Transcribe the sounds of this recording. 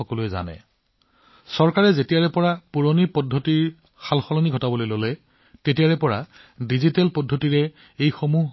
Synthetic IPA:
ɔkɔluɛza̰nɛ̰ | sɔɹkaɹɛzetijaɹɛpɔɹapuɹonipɔdʱːotiɹ | xalxɔlɔniɡʱɔtabɔlojlolɛ | tetiaɹɛpɔɹa | dizitɛlpɔdʱːotiɹɛ | ejxomuɦ

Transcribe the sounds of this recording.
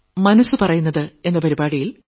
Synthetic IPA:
mɐnɐsːɨpɐrɐjunːɐðɨe̞nːɐpɐɾibaːɽijil

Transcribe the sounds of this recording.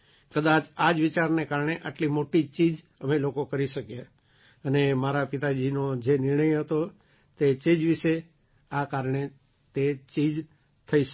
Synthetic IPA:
kəd̪at͡ʃad͡ʒʋɪt͡ʃaɾnekaɾɳ̃eʔaʈlimoʈit͡ʃid͡ʒ | əmelokokəɾiʃəkje | ənemaɾapɪt̪ad͡ʒinod͡ʒenɪɾɳəjɦət̪o | t̪et͡ʃid͡ʒʋɪʃe | akaɾɳe | t̪et͡ʃid͡ʒ | t̪ʰəiʃ

